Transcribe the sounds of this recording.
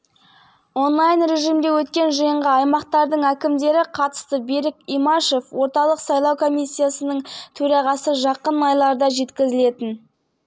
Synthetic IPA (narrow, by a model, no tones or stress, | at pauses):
o̞nlˠɑjnɾe̞ʒijmd̪e̞wɵt̪kʲe̞nʒəjəɴʁəɑjmɑq̚t̪ɑɾd̪əɴækʲɪmd̪e̞ɾɪqʰɑt̪ə̥st̪əbeɾɪkʲimɑʃe̞fwo̞ɾt̪ɑlˠəqsɑjlˠɑwkʰo̞mijsʲːijasənəɴt̪ʰɵɾɑʁɑsəʒɑqənɑjlˠɑɾd̪ɑʒe̞t̪kʲɪzɪle̞t̪ɪn